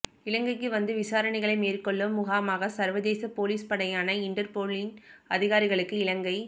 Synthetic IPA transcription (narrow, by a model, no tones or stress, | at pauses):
ɪɭɐŋɡɐɪkːɯʋɐnd̪ɯʋɪsaːɾɐɳɐɪɣɐɭɐɪmeːrkɔɭːɯmːʊɣaːmaːɣɐsɐɾʋɐðeːsɐpoːliːspɐɽɐjaːnɐɪɳɖɐɾpoːɭɪnɐðɪɣaːɾɪɣɐɭɯkːɯɪlɐŋɡɐɪ